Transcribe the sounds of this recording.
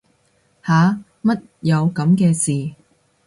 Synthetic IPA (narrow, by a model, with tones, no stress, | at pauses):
haː˨˧ | mɐ˥t̚jɐ˨˧wkɐ˨˧˥mkɛː˧siː˨˩